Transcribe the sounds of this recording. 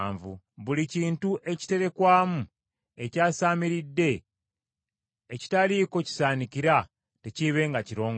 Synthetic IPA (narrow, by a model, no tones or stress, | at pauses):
ɱvṵ | βuliciːntuʔe̞ci̥te̞ɾe̞kwaːmu | e̞caːsaːmiɾidːe̞ | ci̥taliko̞ci̥saːnikiɾa | teciβe̞ŋɡaciɾo̞ːŋɡ